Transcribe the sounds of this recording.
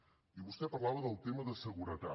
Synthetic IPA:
iβust̪ɛpərlaβəðəlˠt̪eməðəsəɣuɾət̪a

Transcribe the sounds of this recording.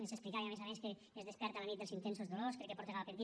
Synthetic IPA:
esesplikaeamezameske | eːzðespɛɾt̪alanit̪d̪elˠzint̪ɛns̬ozðoloskɾekːepɔɾt̪eɣalpeɾi

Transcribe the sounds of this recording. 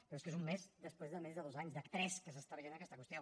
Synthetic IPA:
ppɾoeskezummezd̪əspɾezðəmɛzðəðozaɲzðəkt̪ɾɛskəsəst̪aβəʒenəkɛst̪akwust̪ia

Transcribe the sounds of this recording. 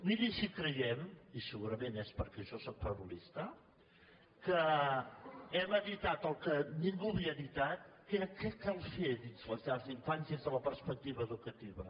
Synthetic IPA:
iðiʃikɾəjɛmisəɣuɾəmenɛspəɾkɛʒɔsɔk̚fəβulist̪ə | kə | ɛməðit̪at̪əlˠkəniŋɡuβiəðit̪at̪kekɛkalˠfeðinzləzaziɱfansjəzðələpəɾspək̚t̪iβəːðukət̪iβə

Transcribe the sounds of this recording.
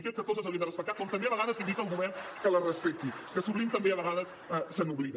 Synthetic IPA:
kɛlkəkɔzəəwlind̪ərəspək̚t̪at̪̚kɔmt̪əmbeɐβəɣaðəzind̪ikəlˠɣuβɛnkələrəspɛk̚t̪ikəsuβlimt̪əmbeəβəɣaðəs | əsənuβliðə

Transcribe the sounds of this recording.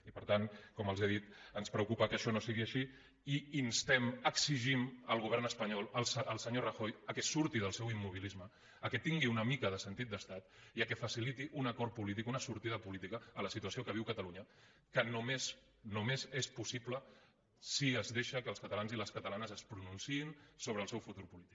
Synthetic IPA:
ipəɾt̪ankɔməlˠzeðit̪ənspɾəukupəkəʃɔnosiɣ̞iəʃi | iinst̪ɛməksiʒiməlˠɣ̞uβ̞ɛrnəspəɲɔlˠəlsəlˠsəɲorəxojəkɛsuɾt̪iðəlˠsɛwimːuβ̞ilizməː | kɛt̪iŋɡiunəmikəðəsənt̪it̪̚d̪əst̪at̪iəkɛfəsilit̪iʔunəkɔɾpulit̪̬ikunəsuɾt̪iðəpulit̪ikəːləsit̪uəsiokəβ̞iwkət̪ɐluɲə | kənumes | numezespusiplə | siəzðeʃəkəːlˠskət̪alanziləskət̪əlanəzəspɾununsiinsoβ̞ɾəːlˠsɛwfut̪uɾpulit̪i̥k

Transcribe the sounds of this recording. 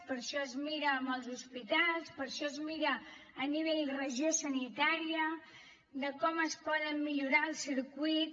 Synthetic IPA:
pəɾʃɔəzmiɾəːməlˠzuspit̪alˠspəɾʃɔəzmiɾəː | niβ̞eʎrəʒiosənit̪aɾiə | d̪əkɔməspɔðəmːiʎuɾaəlˠsiɾkwit̪

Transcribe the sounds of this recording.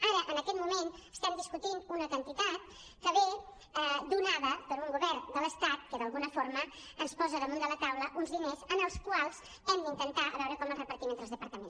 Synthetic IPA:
aɾəʔənəkɛt̪̚mumenəst̪ɛmd̪iskut̪inunət̪ənt̪it̪at̪ | kəβe | əd̪unaβəpəɾuŋɡuβɛɾnd̪ələst̪at̪̚kəðəlˠɣunəfoɾməənspɔzəðəmũnd̪ələt̪awləʔunzðinezənəlˠskwalˠz | ɛmd̪əint̪ənt̪aə̰βɛwɾəkɔmərəpəɾt̪imenzzəlˠzðəpəɾt̪əmens

